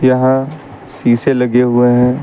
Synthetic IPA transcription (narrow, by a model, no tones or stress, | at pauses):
jɐɦã | siːselɐɡeɦʊeɦɛ̃ː